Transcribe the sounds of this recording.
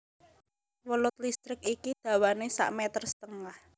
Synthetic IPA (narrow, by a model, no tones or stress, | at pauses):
wəlʊt̪̚list̪ɾɪkikid̪̥a̤wanesa̰ʔmɛt̪ərsə̥t̪əŋah